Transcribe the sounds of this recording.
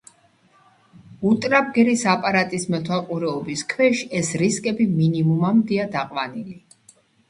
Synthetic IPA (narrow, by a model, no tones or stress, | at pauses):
ut̪ʼɾab̚ɡɛɾisapʼaɾat̪ʼismɛt̪ʰwalˠqʼuɾɛɔbiskʰwɛʃiɛsɾiskʼɛbiminimumamd̪iad̪aqʼwanili